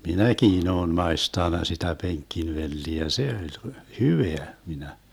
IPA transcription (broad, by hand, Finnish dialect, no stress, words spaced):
minækiːn oːn mɑestɑnˑɑ sitæ peŋkˑinʋelːiæ jɑ se olʲ hyʋeæ minæ